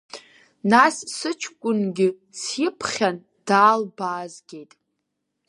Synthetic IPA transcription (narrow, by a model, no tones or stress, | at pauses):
nasːɨt͡ʃʰkʷʼʊnɡʲɪ | sjipʰχʲan | d̥aːlbaːzɡʲe̞jtʼ